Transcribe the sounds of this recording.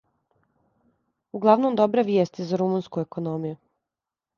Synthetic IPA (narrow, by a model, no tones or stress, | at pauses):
uɡlˠaʋnomd̪obɾeʋjeːst̪izaɾumunskuekonomiju